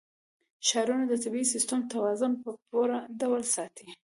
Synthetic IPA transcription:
ʃɑɾunad̪ət̪abiisɪst̪əmt̪awɑzʊnpəpoɾadawalsɑt̪i

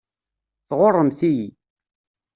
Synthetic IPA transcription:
θʁorˤːəmθiji

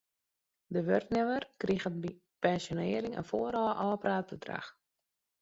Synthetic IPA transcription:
dəʋørtnɪʋərkriɣənbi | pɛnsjonɪːəɾɪŋə̰nfoːəɾɔːəʔɔːpraːtfərdra̰x

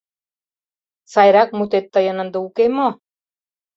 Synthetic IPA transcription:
sajɾak̚mut̪et̪ːəjənənd̪uukemo

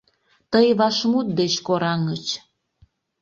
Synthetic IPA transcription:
t̪əjβɑʃmut̪̚d̪et͡ɕkoɾɑŋət͡ɕ

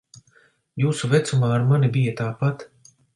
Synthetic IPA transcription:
juːsuvɛt̪sumaːɾmanibijat̪aːpat̪

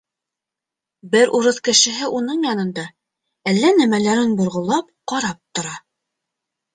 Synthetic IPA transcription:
bɘɾʔuɾɤðkɘ̆ʃɘ̆ɦɘʔunɤɴjɑnɤ̆nd̪ɑ | ælːænæmælæɾɘnbŏɾʁŏlˠːɑp̚qɑɾɑp̚t̪ŏɾɑ

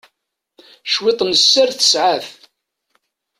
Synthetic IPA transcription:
ʃwɪt̪ˤnəsːæɾθə̥sʕaf

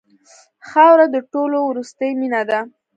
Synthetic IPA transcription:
xɑwɾad̪əʈolowɾust̪əjminad̪a

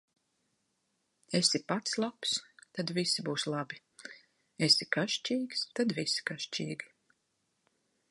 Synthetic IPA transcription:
esipat̪slˠapst̪ad̪visibuːslˠabi | esikaʃt͡ʃiːɡst̪ad̪visi̥kaʃt͡ʃiːɡi

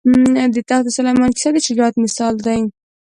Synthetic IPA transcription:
d̪ɪt̪axt̪esalajmɑnki̥sad̪ɪt͡ʃɪɡɑt̪mɪsɑld̪aj

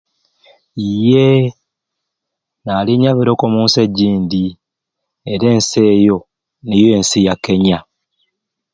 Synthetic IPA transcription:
ije | naːliɲaβiɾo̞komuːnse̞ɟːiːnd̪i | eɾe̞ːnse̞ːjo̞ | nije̞ːnsijakːe̞ɲa

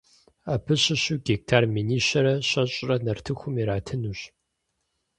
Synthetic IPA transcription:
apʰɨɕɪɕuːɡek̚tʰaːrmiːniːɕɐɾɐɕʼɐɕʼrɐnɐrtʰɨxʷʊmiɾaːtʰɨnuːɕ

